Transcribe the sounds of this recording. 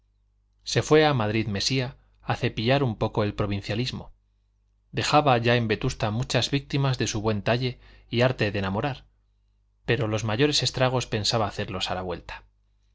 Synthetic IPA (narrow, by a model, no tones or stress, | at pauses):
se̞fwe̞amaðɾiðme̞siaː | θe̞piʎaɾumpo̞ko̞e̞lpɾo̞β̞ĩn̟θjalizmo̞ | d̪e̞xaβaʝae̞mbe̞t̪ust̪amut͡ʃazβik̚t̪imazðe̞suβwe̞nt̪aʎe̞ | iaɾt̪e̞ðenamo̞ɾaɾ | pe̞ɾo̞lo̞zmaʝo̞ɾe̞se̞st̪ɾaɣ̞o̞spe̞nsaβaːθe̞ɾlo̞salaβwe̞̰lt̪ḁ